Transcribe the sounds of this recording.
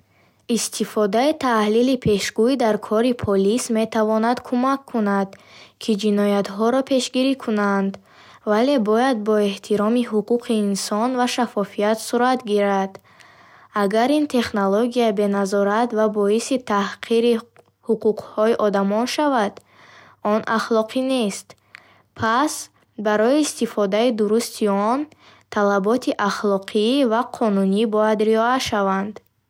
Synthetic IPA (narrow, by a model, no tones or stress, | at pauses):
ist̪ʰifɔd̪ait̪ʰahlilipʰe̞ʃɡuid̪aɾkʰɔɾipʰɔlisme̞t̪ʰavɔnad̪kʰumakʰːunad̪kʰid͡ʒinɔjat̪ɦɔɾɔpʰe̞ʃɡiɾikʰunand̪ | vale̞bɔjad̪̚bɔe̞ht̪ʰiɾɔmiɦuquqʰiːnsɔnvaʃafɔfiat̪suɾat̪ɡiɾad̪̥ | aɡaɾint̪ʰe̞χnoloɡiabe̞nazɔɾat̪vabɔisit̪ʰahqʰiɾi | huquqhɔiʔɔd̪amɔnʃavad̪̥ | ɔnʔa̰χlˠɔqʰine̞st̪ | pʰas | baɾɔiːst̪ifɔd̪aid̪uɾust̪ʰiɔn | t̪ʰalabɔt̪ʰiʔaχlɔqʰivaqʰɔnunibɔjad̪ɾiɔaʃavand̪